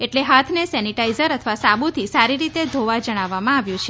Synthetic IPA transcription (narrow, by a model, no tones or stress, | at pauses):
eʈleɦat̪ʰnesɛniʈaizəɾət̪ʰəʋasabut̪ʰisaɾiɾit̪ed̪ʱoʋad͡ʒəɽ̃aʋːamãaʋjũt͡ʃʰe